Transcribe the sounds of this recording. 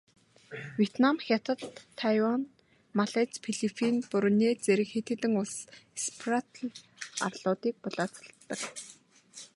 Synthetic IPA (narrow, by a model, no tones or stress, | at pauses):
wʲiet̪namxʲat̪ə̆t̪ʰːajwan | maɮet͡spʰiɮipʰinpʊɾneːt͡seɾɘ̆kxet̪ɘ̆t̪ɘ̆ŋʊɮsspʰrat̪ʰa̰rɮʊːt̪iːk̚pʊɮaːt͡sə̥̆ɬt̪ːə̆k